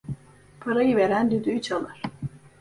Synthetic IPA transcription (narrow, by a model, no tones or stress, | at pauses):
pʰaɾajɯveɾænd̪yd̪yyt͡ʃʰalˠɯɾ̥